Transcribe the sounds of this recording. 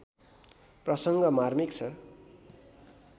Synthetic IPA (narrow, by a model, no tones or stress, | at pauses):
prʌsʌŋɡʌmarmikt͡sʰʌ